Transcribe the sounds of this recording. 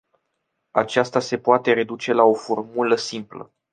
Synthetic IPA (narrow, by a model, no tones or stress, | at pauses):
a̰t͡ʃast̪ase̞poat̪e̞ɾe̞d̪ut͡ʃe̞lao̞fo̞rmuləsimplə̰